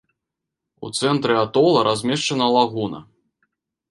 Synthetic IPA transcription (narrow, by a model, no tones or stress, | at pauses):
ṵt̪sɛnt̪ɾɨat̪ɔlˠɐɾʔazʲmʲɛʂt͡ʂɐnɐlˠaɣunɐ̰